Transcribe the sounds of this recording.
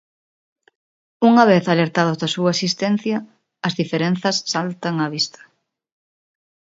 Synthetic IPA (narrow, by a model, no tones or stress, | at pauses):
uŋɐβ̞eθaleɾt̪aðʊzðɐsuasist̪en̟θjɐː | zðifeɾenθɐsːalt̪aŋɐβist̪ɐ̥